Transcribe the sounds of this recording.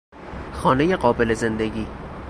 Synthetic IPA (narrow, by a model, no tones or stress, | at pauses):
xɒːnejeɢɒːbe̞lezend̪eɟiː